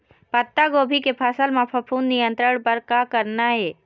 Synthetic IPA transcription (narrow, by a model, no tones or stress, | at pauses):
pət̪ːaɡoːbʱikepʰasəlmãpʰəpʰuːnːijə̃nt̪ɾəɽ̃pɐɾkakəɾnaɦɛː